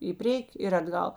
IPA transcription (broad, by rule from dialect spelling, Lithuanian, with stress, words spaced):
ɪ ˈpʲrʲiɛkʲɪ ɪr ɐdˈɡɐlˠ